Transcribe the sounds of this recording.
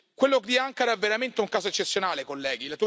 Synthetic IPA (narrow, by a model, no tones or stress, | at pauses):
kwelːokd̪iaŋkaɾaɛvːeɾament̪euŋkaːzoet͡ʃːet̪sːjonaːlekolːɛːɡilat̪u